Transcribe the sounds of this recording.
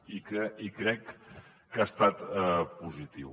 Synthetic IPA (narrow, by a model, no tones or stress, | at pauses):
ikikɾɛkː | ast̪at̪ɛpuzit̪iw